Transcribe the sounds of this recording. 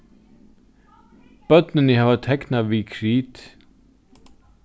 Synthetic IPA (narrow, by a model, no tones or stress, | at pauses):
b̥œt̪nənəhaːvat̪ʰɛknaʋikʰɾiːt̪